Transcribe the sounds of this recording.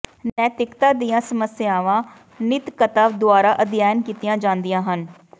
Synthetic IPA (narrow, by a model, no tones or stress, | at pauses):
nɛːt̪ɪkt̪aːd̪iːãːsəməsɪjaːʋãː | nɪt̪kət̪aːʋd̪ʊaːɾaːʔəd̪jaːjənkiːt̪ɪjãːd͡ʒãːnd̪ɪjãːɦən